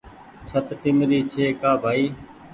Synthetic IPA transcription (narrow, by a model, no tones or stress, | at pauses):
t͡ʃʰət̪ʈɪmɾiːt͡ʃʰeːkaːbʱaːiː